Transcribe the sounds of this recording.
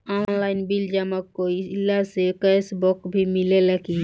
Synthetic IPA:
ɔnnlaɪnbild͡ʒaməkːoilːasekəsbokbʱimileləki

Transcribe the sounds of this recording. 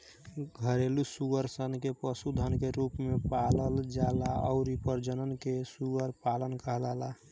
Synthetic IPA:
ɡʱəɾelusuɡəɾsənkepəsud̪ʱənkeɾupmepaləld͡ʒalaɔ̰ʊɾipəɾd͡ʒənənkesuəɾpalənkəɦləla

